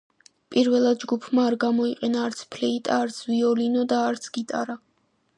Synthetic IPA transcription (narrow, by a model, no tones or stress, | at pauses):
pʼiɾvɛlˠad̪̚d͡ʒɡupʰmaːɾɡamɔiqʼɛnaːɾt̪sʰpʰlɛit̪ʼa̰ːɾt̪sʰviɔlinɔd̪aːɾt̪sʰɡ̥it̪ʼaɾa